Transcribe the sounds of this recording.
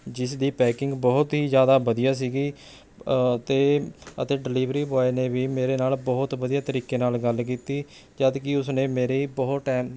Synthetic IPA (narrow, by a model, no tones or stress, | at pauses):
d͡ʒɪsd̪iːpɛːkɪŋɡbɔːʊt̪ɦiːzjaːd̪aːbəd̪ijaːs̬iːɡiː | t̪eːə̰t̪eːɖɪliːʋɾiːbɔːeneːʋiːmeːɾeːnaːlbɔːʊt̪ʋəd̪ijaːt̪əɾiːkeːnaːlɡəlk̬iːt̪iː | d͡ʒad̪kɪʊsnẽːmeːɾiːbɔːʈɛːm